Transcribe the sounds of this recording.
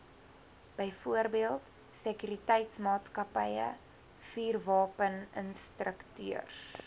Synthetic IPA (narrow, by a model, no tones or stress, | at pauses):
b̥əjfuərbiəlˠt | səkyɾitɛjtsmɑːtskɐpəjə̰ | fiːrvɑːpənənstrəktyər